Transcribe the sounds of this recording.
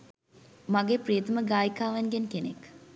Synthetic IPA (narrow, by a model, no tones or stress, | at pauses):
maɡeprijət̪əməɡaːjikaːʋɐnɡenkenek